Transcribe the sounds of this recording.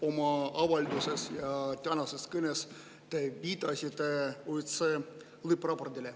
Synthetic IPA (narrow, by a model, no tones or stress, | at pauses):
omɑɑvɑlʲd̪usesjɑt̪ʲɑnɑseskɘnes | t̪eʋʲit̪ɑsʲit̪eojt̪se | lɨprɑpord̪ʲile